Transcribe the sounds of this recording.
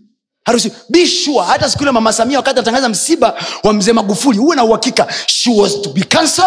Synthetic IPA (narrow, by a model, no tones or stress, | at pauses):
haɾus̬iɓiʃuahatas̬i̥kuilɛmamasamiawakatianataŋɡazam̩siɓawam̩zɛːmaɡufulihuwɛnauhakikaʃuɔstubikansɔ